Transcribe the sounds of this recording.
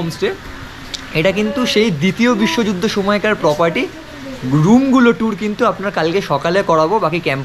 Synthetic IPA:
msʈe | eʈakint̪uʃejd̪it̪iobiʃːod͡ʑud̪ʱːoʃomɔekaɾpɾɔpaɾʈi | ɾumɡuloʈuɾkint̪uapnaɾkalkeʃɔkalekɔɽabobakikɛmp

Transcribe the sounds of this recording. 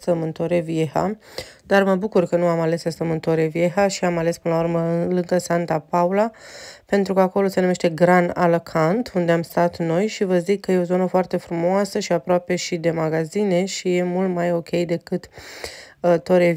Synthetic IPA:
t̪əmɨnt̪oɾevieha̰d̪arməbukurkənuamale̞səst̪əmɨnt̪oɾevieɦaʃiamale̞spɨnəlaurməlɨŋɡəsant̪apaulape̞nt̪ɾukəako̞lo̞senume̞ʃt̪eɡɾana̰lokʰant̪und̪e̞amst̪at̪no̞jʃivəzikːəje̞o̞zo̞nəfoart̪e̞fɾumoasəʃiapɾoape̞ʃid̪e̞maɡazine̞ʃije̞mult̪majo̞kʲe̞jd̪e̞kɨt̪ | t̪o̞ɾe

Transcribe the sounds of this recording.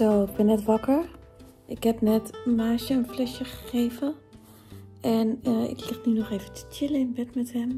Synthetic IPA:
soːɪɡ̚bɪnːɛtʋakəɹ | ʔɪkhɛpnɛtmaːʃjəənflɛsjəxə̥xeːvə | ʔɛnəɪ̰klɪxtnynɔxeːvətʰə̥tjɪləɪnbɛtmɛthɛm

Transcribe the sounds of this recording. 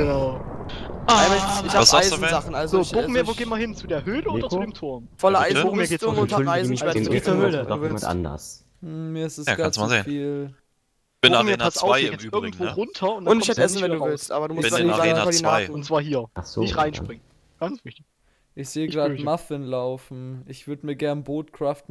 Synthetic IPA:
ɡ̥ənaʊ | aaaɪɪç̥aːaɪzn̩zaχn̩ʔalzozoːboŋ̩meːɐvoːɡeːmaɐhɪnt͡sudeːɐhøːləodɐt͡sudeːmtʰʊɐmfɔlɐʔaɪzn̩etːʁʊntɐʁaɪz̩ɛɐ | uːvɪʔa̰ndɐ̰s̩ | miːɐɪstɛsakɡasmaeːnfiːl | b̥meːɐasaʊeɛɪɐɡŋ̩tvoːʁʊntʰɐʊndaʊnɪɛɛsn̩vɛduːvɪlstʔa̰ːbɐduːmʊsafɔdinaːn̩ʊnt͡sv̥aːɐɦiːɐʔaχz̥o̰nɪʁaɪnʃpʁ̥ɪŋən | ɡ̥ant͡svɪçtɪç | ʔɪçz̥eːəɡʁaːdmafɪnlaʊfn̩ʔɪçv̥ʏɐdəmiːɐɡɛɐnboːtkʁ̥aːft̚

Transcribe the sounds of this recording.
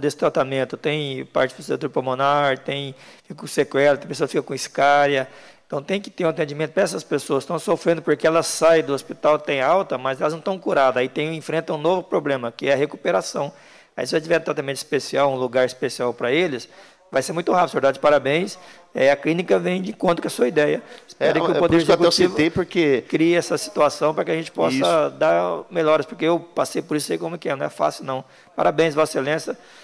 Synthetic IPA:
d̪esɪ̥t̪ɾat̪amẽnt̪ʊt̪ẽj̃pa̰ɾt͡ʃɪ̥foset̪uɾpomõnaɾt̪ẽj̃fikɐkõsekwɛlɐt̪ẽj̃pesoɐsfikɐkõiskaɾjɐẽt̪ɐ̃w̃t̪ẽj̃kɪ̥t̪eɾũat̪ẽɲd͡ʒimẽnt̪ʊpɾɐɛsɐspesoɐsst̪ɐ̃w̃sofɾẽnd̪ʊpoɾkeɛlɐsajd̪ʊospit̪awt̪ẽj̃awt̪ɐmɐzɛlɐznɐ̃w̃t̪ɐ̃w̃kuɾad̪ait̪ẽj̃ẽfɾẽnt̪ɐ̃ũnovʊpɾoblẽmɐkɪɛɐɦekupeɾasɐ̃w̃ | aisɪvoset͡ʃivɛɾt̪ɾɛt̪amẽnt̪ɪ̥spesiawũluɡaɾɪspesiawpɾɐelɪs | vajseɾmũj̃t̪ʊɦavisoveɾd̪ad͡ʒɪpaɾabẽj̃s | a̰iɐklĩnikɐvẽj̃d͡ʒɪĩkõnt̪ɾʊkɪɐsuɐid̪ɛjɐspɛɾikɪʊpod̪eɾzkuɛt͡ʃivʊepoɾkekɾiɛsɐsi̥t̪uasɐ̃w̃pɾɐkɪaʒẽnt͡ʃɪ̥pɔsɐd̪aɾmeʎɔɾɪspoɾkeewpasejpoɾisaikõmʊɛkɪɛnɐ̃w̃ɛfa̰sɪʊnɐ̃w̃ | pa̰ɾabẽj̃svɔselẽsɐ

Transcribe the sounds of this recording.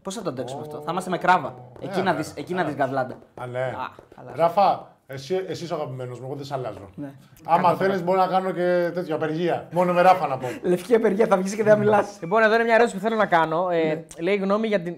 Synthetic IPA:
po̞sθɐt̪od̪ekso̥mɐft̪o̞θɐimɐst̪eme̞kɾɐvɐeinɐðisecinɐðizɣɐvlɐnd̪ɐɐnḛɾɐfɐ | esiesis̬ɐɣɐpime̞nozmueɣoðesɐlɐ̰zo̰ne | ɐmɐθe̞lizbo̞ɾinɐkɐnocet̪e̞t̪çoɐpe̞ɾʝiɐmonomeɾɐfɐnɐpole̞fciɐpeɾʝiɐθɐvʝisceðeɐmilɐslipo̞neðo̞inemɲɐeɾosipuθe̞lo̞nɐkɐno̞eleiɣno̞miʝɐt̪in

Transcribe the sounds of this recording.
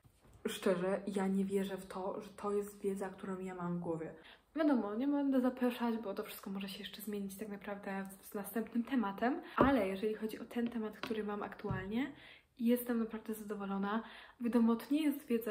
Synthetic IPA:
ʂt͡ʂɛʐɛjaɲɛvʲjɛʐɛft̪ʰɔʐɛt̪ʰɔjɛst̪vʲjɛd̪zakt̪uɾɔ̃w̃jamamvɡwɔvʲjɛ | vʲjad̪ɔmɔɲɛbɛɛnd̪ɛzapɾɔʂad͡ʑbɔt̪ɔfʂɨ̥st̪kɔmɔʐɛɕɛjɛʂt͡ʂɛzmʲjeɲit͡ɕt̪aknapɾavd̪ɛznast̪ɛmpnɘmt̪ɛmat̪ɛmʔalɛjɛʐɛlʲixɔd͡ʑiʔɔt̪ʰɛnt̪ɛmat̪kt̪uɾɘmamʔa̰kt̪ualɲɛ | ijɛst̪ɛmnapɾavd̪ɛzad̪ɔvɔlɔna | vʲad̪ɔmɔt̪ɔɲɛjɛst̪vʲjɛd̪za

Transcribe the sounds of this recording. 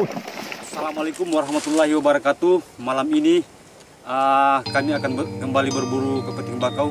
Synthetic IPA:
salamalekʊmwaɾahmat̪ulːaɦiwabaɾakat̪umalamini | əkamiakanbkəmbalibərbuɾukəpət̪iŋəbakaw

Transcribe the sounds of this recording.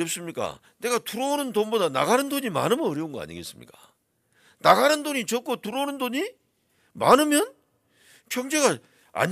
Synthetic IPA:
ʌp̚s͈ɯmɲik͈a̰ | ne̞ɡatuɾoonɯndonbodana̰ɡanɯndoɲima̰nɯmʌʌɾjʌunɡʌa̰ɲḭɡe̞s͈ɯmɲḭk͈ḁ | naɡanɯndoɲit͡ɕʌk͈otuɾonɯndoɲi | ma̰nɯmjʌn | kjʌŋd͡ʑe̞ɡa | a̰ɲ

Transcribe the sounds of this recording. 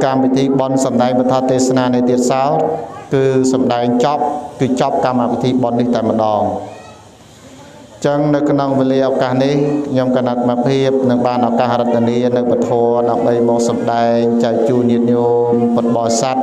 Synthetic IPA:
kamʋit̪ʰiːɓonsɑmɗaɛŋɓɑnt̪ʰɑt̪eːsnaːniət̪iət̪̚saɔt̪̚kɨːsɑmɗaɛŋt͡ɕɑp̚kɨːt͡ɕɑp̚kamːapit̪ʰiːɓonːiht̪aɛmə̆ɗɑːŋ | t͡ɕəŋnɨwkʰnoŋʋeːliəʔakaːhnihkʰɲomkanat̪mapʰiəp̚nɨŋɓaːnʔɑkaːhrət̪̚ːaniənɨwpət̪ʰɔəɗaəmɓəjmɔːk̚sɑmɗaɛŋt͡ɕaɛk̚t͡ɕuːnɲiət̪̚ɲoː | npɨt̪̚ɓɑːsat̪̚

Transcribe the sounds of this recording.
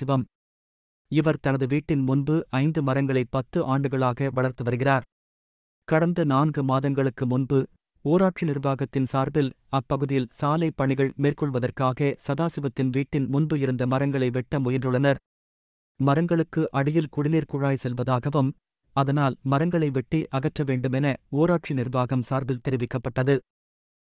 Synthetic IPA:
sɪʋɐm | ɪʋɐɾt̪ɐnɐðɯʋiːʈːɪnmʊnbɯʔɐɪnd̪ɯmɐɾɐŋɡɐɭɐɪpːɐt̪ːɯʔaːɳɖɯɣɐɭaːɣɐʋɐɭɐɾt̪ːɯʋɐɾɯɣɪraːɾ | kɐɽɐnd̪ɐnaːnɡɯmaːðɐŋɡɐɭɯkːɯmʊnbɯ | oːɾaːʈt͡ʃinɪɾɯʋaːɣɐt̪ːɪnsaːɾbɪl | ɐpːɐɣɯðɪjɪlsaːlɐɪpːɐɳɪɣɐɭmeːrkɔɭʋɐðɐrkaːɣɐsɐðaːsɪʋɐt̪ːɪnʋiːʈːɪnmʊnbɯɪɾɯnd̪ɐmɐɾɐŋɡɐɭɐɪʋɛʈːɐmʊjɐndrɯɭɐnɐɾ | mɐɾɐŋɡɐɭɯkːɯʔɐɽɪjɪlkʊɽɪliːɾkʊɻaːjsɛlʋɐðaːɣɐʋɯm | ɐðɐnaːlmɐɾɐŋɡɐɭɐɪʋɛʈːiʔɐɣɐʈrɐʋeːɳɖɯmɛnɐoːɾaːʈʂinɪrbaːɣɐmsaːɾbɪlt̪ɛɾɪʋɪkːɐpːɐʈːɐðɯ

